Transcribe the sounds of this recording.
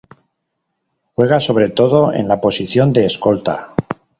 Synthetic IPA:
xwe̞ɣ̞aso̞β̞ɾe̞t̪o̞ðo̞e̞̰nlapo̞siθjo̞nd̪e̞ːsko̞lt̪a̰

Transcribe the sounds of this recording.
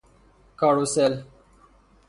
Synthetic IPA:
kaɽusel

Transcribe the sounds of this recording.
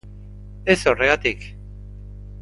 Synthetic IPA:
e̞so̞re̞ɣat̪ik

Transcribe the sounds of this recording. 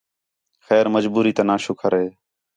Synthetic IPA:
xɛːɾməd͡ʒbuːɾiːt̪ənaːʃʊːkʰəɾɦeː

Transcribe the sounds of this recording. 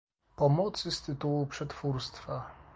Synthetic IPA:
pɔmɔt̪sɘst̪ɘt̪uwupʂɛt̪fuɾst̪fa

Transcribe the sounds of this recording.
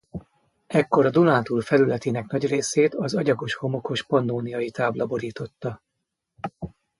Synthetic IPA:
ɛkːo̞ɾɒd̪olaːt̪ulfɛlylɛt̪eːnɛknɒɟreːseːt̪ɒzɒɟɒɡo̞ʃho̞mo̞ko̞ʃpɒnːoːnijɒjit̪aːblɒboɾiːt̪o̞t̪ːɒ

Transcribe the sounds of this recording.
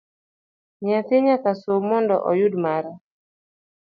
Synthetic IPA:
ɲɪat̪ɪɲakasomɔndɔ̰ʔɔjʊdmaɾa

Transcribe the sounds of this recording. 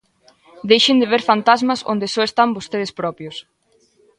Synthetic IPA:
d̪ejʃend̪eβeɾfant̪azmɐso̰nd̪esɔest̪ambost̪eð̞ɪspɾɔpjos

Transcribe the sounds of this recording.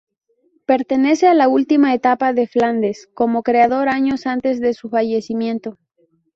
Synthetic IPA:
pe̞ɾt̪e̞ne̞se̞alault̪imae̞t̪apaðe̞fland̪e̞sko̞mo̞kɾeaðoɾaɲo̞sant̪e̞zðe̞sufaʝe̞simjẽ̞nt̪o̞

